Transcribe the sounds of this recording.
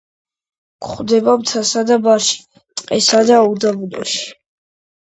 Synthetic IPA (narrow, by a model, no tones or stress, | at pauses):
kʰʼχwd̪ɛbabt̪ʰasad̪abaɾʃi̥ | t̪ʼqʼɛsad̪aud̪abud̪ɔ̰ʃi̥